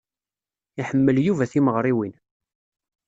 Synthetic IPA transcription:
iħəmːəljuvæθiməʁɾˤiwin

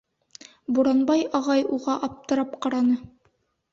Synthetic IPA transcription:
buɾɑnbɑjɑʁɑjuʁɑʔɑp̚t̪ɤ̆ɾɑp̚qɑɾɑnɤ

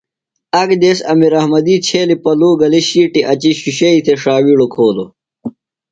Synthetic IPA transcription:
ɐɡd̪eːsɐmiɾɐhmɐd̪iːt͡ɕʰeːlipɐluːɡɐliɕiːʈiʔɐt͡ɕiɕuɕɐit̪ʰeʂaːwiɽokʰoːlo

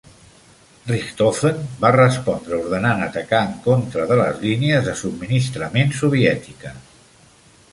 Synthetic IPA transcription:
rikt̪ofenbarəspɔnd̪ɾəuɾðənanət̪əkaəŋkont̪ɾəðələ̰zliniəzðəsub̚minist̪ɾəmensuβ̞iɛt̪ikə

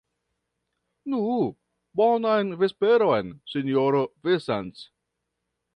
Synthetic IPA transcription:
nu | bonajnvespeɾojnsinjoɾovesans

